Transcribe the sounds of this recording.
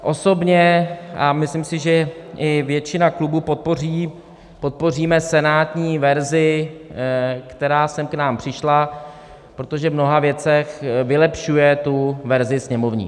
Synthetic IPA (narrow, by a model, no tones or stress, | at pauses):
ʔo̞so̞bɲɛʔamɪslɪmsɪʒɛʔɪvjɛt͡ʃɪnaklubuːpo̞t̪̚po̞riː | po̞t̪̚po̞r̝iːmɛsɛnaːt̪ɲiːvɛɾzɪ | kt̪ɛɾaːsɛmknaːmpr̝̥ɪʃla | pɾot̪o̞ʒɛvmno̞ɦavjɛt͡sɛxvɪlɛpʃujɛt̪uvɛɾzɪsɲɛmo̞vɲḭː